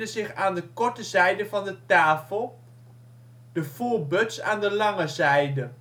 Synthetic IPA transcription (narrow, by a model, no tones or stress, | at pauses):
dəzɪχaːndəkɔɹtəzɛjdəvɑndətaːfəlˠ | d̥əvoːɹbɵtsa̰ːndəlɑŋəzɛjdə